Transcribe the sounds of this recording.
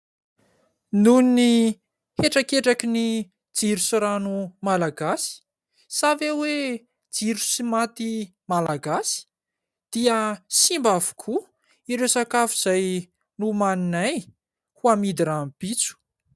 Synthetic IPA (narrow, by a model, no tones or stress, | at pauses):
nunni | heʈ͡ʂakeʈ͡ʂakini | d͡ziɾusuɾanumalaɡasi̥ | savewe | d͡ziɾusimat̪i | malaɡasi̥ | d̪̥iəsimbavu̥kʰu | iɾewsakafuz̥aj | numaninaj | huamid̪iɾampit͡su̥